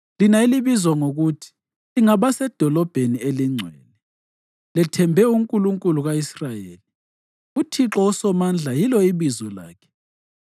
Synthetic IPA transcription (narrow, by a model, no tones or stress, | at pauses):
linailiβizwaŋoɣutʰi̥ | liŋaβasɛd̥ʱɔlɔb̥ʱenieliŋ͡ǀʱwɛ̰ːnɛ | lɛtʰɛmbʱɛuŋkʼuluŋkʼuluɣaisrajḛːli | utʰiǁɔusɔmand͡ɮʱajilɔiβizɔla̰ːkʰɛ̥